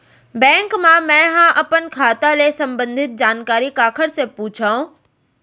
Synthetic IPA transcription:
bɛ̃ːŋkmãmɛ̃ːɦãʔɐpənkʰaːt̪aleːsɐ̃mbə̃nd̪ʱɪt̪̚d͡ʑaːnkaːɾikaːkʰəɽsepuːt͡ɕʰaũ

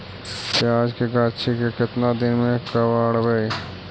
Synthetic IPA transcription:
keaːd͡ʒkekaːtʃʰikekɪt̪nad̪ɪnmẽkɐʋaːɽbɐi

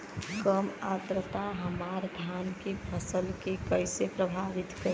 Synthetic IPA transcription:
kəmat̪ɾət̪aɦəmaɾd̪ʱankepʰəsəlkekəɪsepɾəbʱaʋit̪kəɾ

